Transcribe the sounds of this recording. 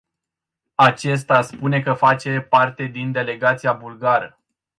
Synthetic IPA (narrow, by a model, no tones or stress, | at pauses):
at͡ʃe̞s̬t̪aspune̞kəfat͡ʃe̞part̪e̞d̪ind̪e̞le̞ɡat̪siabulɡaɾə